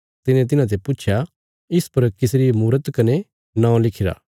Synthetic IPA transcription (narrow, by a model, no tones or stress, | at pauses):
t̪ɪnẽt̪̬ɪnãt̪̬epʊt͡ʃʃʰja | ɪspɐɾkɪsɾimuːɾət̪kɐne | nãːõlɪkʰɪɾa̰ː